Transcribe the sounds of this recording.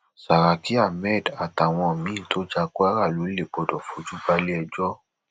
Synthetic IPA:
sa˨ɾa˨ki˦a˦˨mɛ˦˨da˨ta˨w̃ɔ̃˧˨mĩ˨˦to˦d͡ʒa˧kɔ˦a˦ɾa˦˨lo˨˦le˦˨ɡ͡bɔ˧dɔ˨fo˨˦d͡ʒu˦ba˧le˦ɛ˧d͡ʒɔ˦

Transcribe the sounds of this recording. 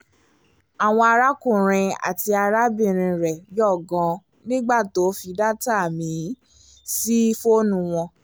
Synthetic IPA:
a˨w̃ɔ̃˧a˧ɾa˦kũ˦˨ɾ̃ĩ˧a̰˨ti˧a˧ɾa˦bĩ˦˨ɾ̃ĩ˧ɾɛ˨jɔ˦˨ɡɔ̃˨˧ | nĩ˦ɡ͡ba˦˨to˨˦fi˧da˦ta˦˨mĩ˨˦ | si˦fo˦nũ˧w̃ɔ̃˧

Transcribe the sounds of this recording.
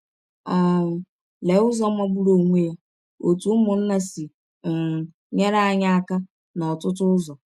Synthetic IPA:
a˨ | le˨˦ʊ˦zɔ˦mʷa˦ɡ͡bu˦ɾo˨ŋʷe˦ja˦ | o˨tu˦mʊ˨n̩˦na˦si˨ | ŋ̩˨ | ɲe˦ɾa˦a˦ɲa˦a˦ka˦ | na˨ɔ˨tʊ˦t̬ʊ˦zɔ˨

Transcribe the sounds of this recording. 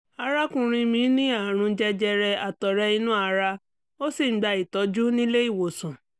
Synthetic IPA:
a˧ɾa˦kũ˧ɾ̃ĩ˧mĩ˨˦nĩ˦a˦˨ɾ̃ũ˧˦d͡ʒɛ˧d͡ʒɛ˧ɾɛ˧a˨tɔ˨ɾɛ˧i˧˦nũ˦a˧ɾa˧ | o˦si˦˨˦ɡ͡ba˧i˨tɔ˨˦d͡ʒu˦nĩ˦le˦i˦˨wo˨sũ˨

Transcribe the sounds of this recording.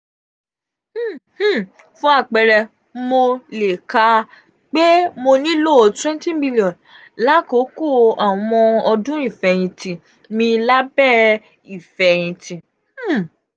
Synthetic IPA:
fũ˦a˦˨k͡pɛ˧ɾɛ˧ | mo˧le˨ka˧ | k͡pe˦mo˧nĩ˦lo˦˨twɛ̃˦ntĩ˦bi˦li˨ɔ̃˨n | la˦ko˨˦ko˦˨a˨w̃ɔ̃˧ɔ˧dũ˦i˦˨fɛ˧˨j̃ĩ˧tĩ˧ | mĩ˧la˦bɛ˦˨ | i˨fɛ˨j̃ĩ˧tĩ˧˨˦

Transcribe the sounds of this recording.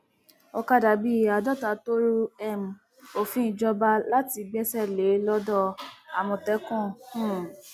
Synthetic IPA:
ɔ˧ka˦da˨˧˦bi˦˨a˧dɔ˦˨ta˨˦to˦ɾu˦ɛ˦˨m̩˨ | o˨fĩ˨˦ĩ˨d͡ʒɔ˦ba˦la˦ti˧bɛ˦sɛ˦˨le˨˦lɔ˦dɔ˧˨a˨mɔ̃˧˨tɛ˦kũ˦˨hũ˦˨

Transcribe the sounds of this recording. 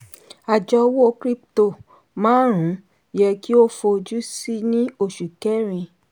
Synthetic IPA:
a˨d͡ʒɔ˧wo˦o˦kɾi˦pto˦˨ | mãː˦ɾ̃ũ˨˦ | jɛ˧ki˦o˦fo˧d͡ʒu˦si˦nĩ˦o˦˨ʃu˨kɛ˦ɾ̃ĩ˧

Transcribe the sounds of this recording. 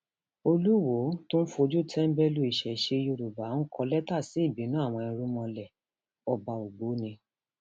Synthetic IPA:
o˧lu˦˨wo˨˦tõ˦n̩˦fu˧o˧d͡ʒu˦˨tʰɛ˦m̩˦bɛ˦lu˦˨i˨ʃɛ˨i˨ʃe˧jo˧˨ɾu˨ba˨˦n̩˦kʰɔ˧lɛ˦ta˦˨si˨˦i˦˨bi˨˦nũ˨˦a˦˨w̃ɔ̃˧ĩ˧˦ɾu˦mɔ̃˧lɛ˨ | ɔ˨ba˨o˨ɡ͡bo˨˦nĩ˧

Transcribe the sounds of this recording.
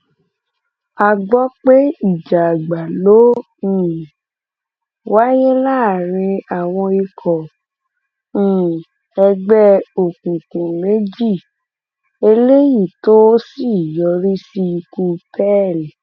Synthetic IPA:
a˨ɡ͡bɔ˦k͡pe˦i˦˨d͡ʒa˨ɡ͡ba˨lõ˦˨ | wa˦je˦la˦˨ɾĩ˧a˨w̃ɔ̃˧i˧kʰɔ˨˦˨ | ɛ˧ɡ͡bɛ˦o˨kũ˨kũ˨mẽ˨˦d͡ʒi˦˨ | e˧le˦ji˦˨to˦si˦˨jɔ˧ɾi˦si˧ku˧tɛ˦˨lɛ˨

